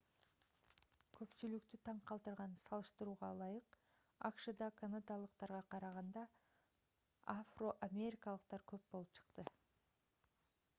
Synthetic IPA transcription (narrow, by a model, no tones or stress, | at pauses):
kʰɵ̞pt͡ʃylyk̚t̪yt̪ʰɑɴqʰɑlˠt̪ɯɾʁɑnsɑlˠɯʃt̪ɯɾuːʁɑlˠɑjɯq | ɑkʃɯd̪ɑkʰanad̪alˠəq̚t̪ɑɾʁɑqʰɑɾɑʁɑnd̪ɑ | afro̞ʔamʲe̞ɾʲikalˠəq̚t̪ɑɾkʰø̞p̚bo̞lˠupt͡ʃʰɯ̥qt̪ɯ